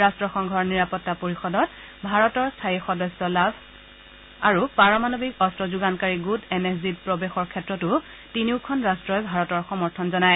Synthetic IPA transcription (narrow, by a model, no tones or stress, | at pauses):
ɹastɹɔxɔŋɡʱɔɹniɹapɔtːapoɹixɔdɔt | bʱaɹɔtɔɹstʰaixɔdɔsːɔlabʱ | aɹupaɹɔmanobʱikɔstɹɔzuɡankaɹiɡutɛnekʰzitpɹɔbexɔɹkʰɛtɹɔtʊ | tiniʊkʰɔnɹastɹɔjbʱaɹɔtɔɹxɔmɔɹtʰɔnzɔnaj